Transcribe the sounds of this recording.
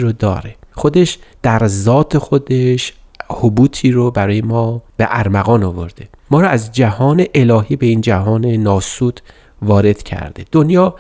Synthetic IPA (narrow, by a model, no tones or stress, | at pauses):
ɾod̪ɒ̰ːɾeχod̪e̞ʃd̪̥æɾzɒːt̪ʰe̞xod̪e̞ʃ | hobuːt̪ʰiːɾobæɾɒːjemɒːb̥e̞̰ʔæɾmæɣɒːnovo̞̰ɾd̪e̞mɒːɾɔæzd͡ʒæhɒːne̞ʔelɒːɦiːbe̞ind͡ʒæɦɒːne̞nɒːsuːt̪ʰ | vɒːɾe̞d̪̥cʰæ̰ɾd̪̥e̞̰d̪̥onjɒː